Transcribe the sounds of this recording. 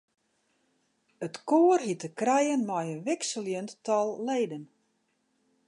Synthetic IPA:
ətkoːərɦitəkrɛjənmɔjənʋɪksəljənttɔlˠleːdən

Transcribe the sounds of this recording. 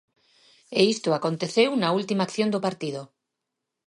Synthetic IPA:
eist̪oakont̪eθewnault̪imakθjond̪opaɾt̪ið̞o

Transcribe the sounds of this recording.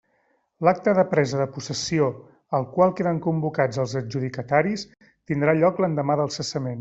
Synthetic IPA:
lak̚t̪əðəpɾɛzəðəpusəsio | əlˠkwalˠkeðəŋkumbukad͡zəlˠzəd͡ʒuð̞ikət̪aɾis | t̪ind̪ɾaʎɔklənd̪əmaðəlˠsəsəmen

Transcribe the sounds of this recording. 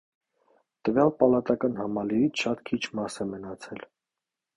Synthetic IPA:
t̪əvjɑlpɑlɑt̪ɑkɑnhɑmɑliɾit͡sʰʃɑt̪kʰit͡ʃʰmɑsɛmənɑt͡sʰɛl

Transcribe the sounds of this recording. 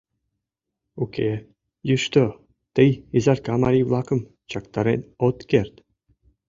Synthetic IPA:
ukʲe | juʃt̪o | t̪əjizɑrkɑmɑɾʲiʋlˠɑkɤ̆m | t͡ɕɑkt̪ɑɾʲenʲot̪kʲerʲt̪ʲ

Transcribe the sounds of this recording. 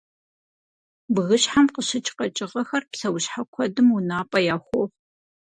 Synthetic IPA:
bɨɣɨɕħamqəɕɪt͡ʃʼqɐt͡ʃʼɪʁɐxɐrpsɐwɕħakʷʰɔdɨmʊnaːpʼɐjaːxʷoʁ

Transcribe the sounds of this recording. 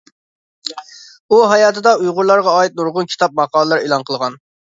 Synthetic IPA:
uɦɑjɑːt̪ʰɨd̪ɑujʁʊɾlˠɑɾʁɑɑːit̪̚nuɾʁʊnkʲʰi̥t̪ʰɑp̚mɑqʰɑːlˠəlˠɑɾelˠɑnqʰəlˠʁɑn

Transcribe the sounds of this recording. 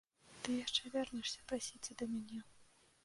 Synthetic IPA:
t̪ɨjaʂt͡ʂɛvʲɛrnɨjʂsʲɐpɾasʲit͡sʲɐd̪ɐmʲanʲɛ

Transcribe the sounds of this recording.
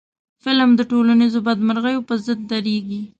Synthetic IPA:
fɪlmd̪əʈolanizobad̪maɾɣəjopəzəd̪̚ːaɾeɡi

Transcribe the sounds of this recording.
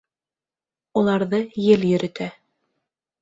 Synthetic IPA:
ulˠɑɾðɤjɘljɵ̆ɾɘ̆t̪æ

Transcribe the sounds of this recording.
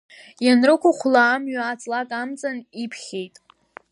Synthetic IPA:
janrɨkʷʊχʷlaːmɥaat͡sʼlakʼamt͡sʼanipʰχʲejtʼ

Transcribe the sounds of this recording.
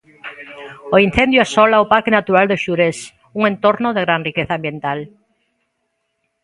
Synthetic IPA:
oin̟θend̪joɛsɔlaopaɾkenat̪uɾald̪eʃuɾes | uŋẽnt̪oɾnoðeɣɾanrikeθãmbjent̪al

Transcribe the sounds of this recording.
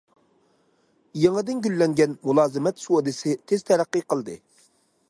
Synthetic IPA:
jeŋɨd̪ɪnɡʲylːɛŋɡʲɛnmulˠɑːzɨmɛt̪suod̪ɨsɪt̪ʰez̥t̪ʰɛɾæqːiqʰəlˠd̪ɨ

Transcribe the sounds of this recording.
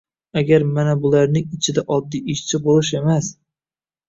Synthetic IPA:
aɡʲaɾmanabʊlaɾnɪŋɪt͡ʃʰɪd̪aʔɒd̪ːiɪʃt͡ʃʰɪbolˠɪʃ̬e̞mas

